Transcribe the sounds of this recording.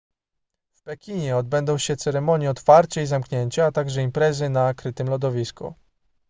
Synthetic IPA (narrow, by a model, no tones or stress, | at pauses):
fpɛkʲiɲɛɔd̪̚bɛnd̪ɔ̃w̃ɕɛt̪sɛɾɛmɔɲjɛɔt̪faɾt͡ɕɛizamkɲeɲt͡ɕaːt̪aɡʐɛimpɾɛzɘnakɾɘt̪ɘmlɔd̪ɔvʲiskṵ